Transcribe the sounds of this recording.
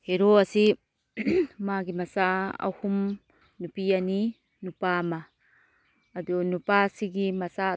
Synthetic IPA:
heɾoasi | maɡimasaa̰hum | nupiani | nupama | d̪unupasiɡimasa

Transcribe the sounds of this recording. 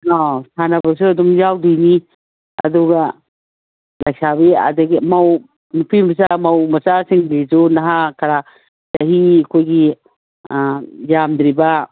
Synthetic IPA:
ɔsʰanɐbɐs̬uɐdɔmjawdini | ɐ̰duɡa | lajksabia̰dɐɡimaw | nupʰimɐs̬amawmɐsasiŋdisunaɦakʰaɾa | tɐɦiakʰojɡi | jamd̪ɾiba

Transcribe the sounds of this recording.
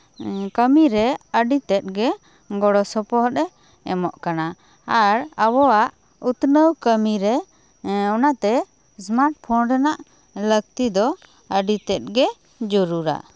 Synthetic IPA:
kəmiɾɛəɖit̪ɛt̪̚ɡɛ | ɡɔɽɔsɔpɔɦɔt̪ɛ | ɛ̰mɔʔkana | aɾəbɔaʔ | ut̪nəwkəmiɾɛ | ɔnat̪ɛ | smaɾʈ̚pʰɔnɖɛnaʔ | lək̚t̪id̪ɔ | əɖit̪ɛt̪̚ɡɛ | d͡ʒɔɾuɾa̰

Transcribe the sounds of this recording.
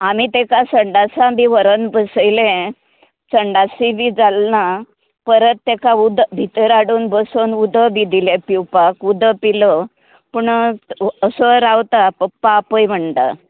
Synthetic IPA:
amit̪ekasəɳɖasãbiʋəɾənbəsəjlẽ | t͡səɳɖasibid͡zalna | pəɾət̪ːekãud̪bʱit̪əɾaɽuːnbəsonud̪ʱəbid̪ʱilẽpiwpakud̪ʱəpilɔ | puɳ | əsɔɾawt̪apəpːaːpəjm̤əɳt̪a̰

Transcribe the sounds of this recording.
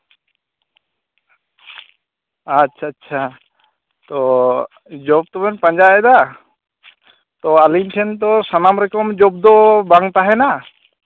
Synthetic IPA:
atːʃʰaːt͡ʃʰa | t̪ɔ | d͡ʒɔb̚t̪ɔbɛnpãɲd͡ʒaɛd̪a | t̪ɔalimʈʰɛnt̪̬ɔsanamɾɛkɔmd͡ʒɔb̚d̪ɔbaŋt̪aɦɛna

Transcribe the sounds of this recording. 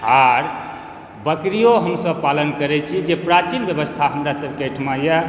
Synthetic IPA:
aɾ | bəkɾijoɦəmsəb̚palənkəɾɛt͡ʃʰid͡ʒepɾat͡ʃinbjəβəst̪ʰaɦəmɾasəbkəʈʰmajə

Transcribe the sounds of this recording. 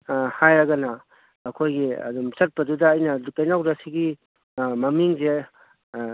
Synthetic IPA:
hajɾɐɡɐnɐː | kʰojɡiɐ̰dumsɐt̚pɐdudɐːjnɐlukajnawdasiɡi | mɐmiŋze

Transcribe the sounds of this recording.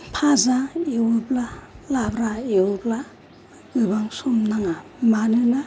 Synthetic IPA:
pʰazaewublalabɾaewubla | ɡɯbaŋsumnaŋamanɯna

